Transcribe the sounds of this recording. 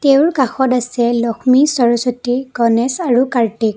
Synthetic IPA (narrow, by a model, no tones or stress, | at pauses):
teʊɹkaxɔtasɛlɔxʰmisɔɹɔsotiɡɔnɛsaɹukaɹtik̚